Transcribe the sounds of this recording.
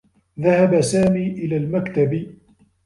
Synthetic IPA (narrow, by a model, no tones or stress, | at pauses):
ðahabasaːmiːʔɪlaːlmakt̪ab